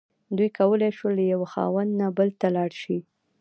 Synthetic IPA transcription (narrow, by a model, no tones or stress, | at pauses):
d̪ujkawəlajʃwəlːajawaxɑ̰wand̪nabəlt̪alɑɽʃi